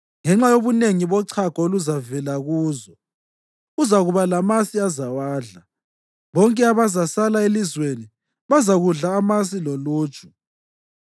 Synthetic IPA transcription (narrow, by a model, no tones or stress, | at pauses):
ŋɛŋ͡ǁajoβuneŋiβɔǀʰakɔoluzavɛlaɣuːzɔ | uzaɣuβalamasiazawaːɮa | βɔŋkʼɛaβazasalaelizweni | βazaɣuɮaːmas̬iloluːt͡ʃʰʼu̥